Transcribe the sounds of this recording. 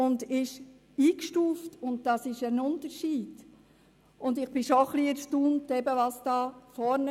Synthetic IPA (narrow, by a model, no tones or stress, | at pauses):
ʊndɪʃ | iːkʃtuːftʊnt̚d̥ɑsɪʃənʊntəɾʃiːd̥ | ʊndɪχb̥ɪʃoχliɛɾʃtuːntɛbəʋɑsd̥ɑːfɔɾnə